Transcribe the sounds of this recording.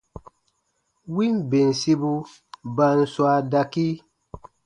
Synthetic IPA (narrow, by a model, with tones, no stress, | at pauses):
wi˦nbe˨nsi˦bu˦ | ba˨˦nswa˧˨da˨ki˦